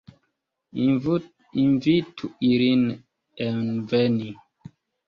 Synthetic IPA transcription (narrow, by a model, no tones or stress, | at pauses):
invitʰuilin | ɛnvɛni